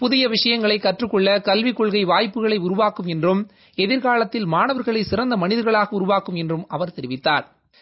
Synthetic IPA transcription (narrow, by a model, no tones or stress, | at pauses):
pʊðɪjɐʋɪʂɐjɐŋɡɐɭɐɪkːɐʈrɯkːɔɭːɐkɐlʋɪkːɔɭɣɐɪʋaːjpːɯɣɐɭɐɪʊɾʊʋaːkːɯmɛndrɯm | ɛðɪɾɣaːɭɐt̪ːɪlmaːnɐʋɐɾɣɐɭɐɪsɪrɐnd̪ɐmɐnɪðɐɾɣɐɭaːɣɐʊɾʊʋaːkːɯmɛndrɯmɐʋɐɾt̪ɛɾɪʋɪt̪ːaːɾ